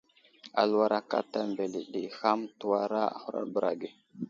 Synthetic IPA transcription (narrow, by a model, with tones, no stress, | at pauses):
a̰˨lu˦wa˦ɾa˦ka̰˦ta˦mbe˨li˨ɗi˨xa˦mtu˦wa˦ɾa˦a̰˨xu˦ɾa̰˦ɾbə˨ɾa̰˨ɡe˨